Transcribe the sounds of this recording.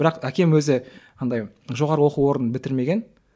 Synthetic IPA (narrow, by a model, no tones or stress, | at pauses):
ɪɾɑqækʲe̞mwɵzɪ | ɑnd̪ɑj | ʒo̞ʁɑɾəwo̞quwo̞ɾənbɪt̪ɪɾme̞ɡʲe̞n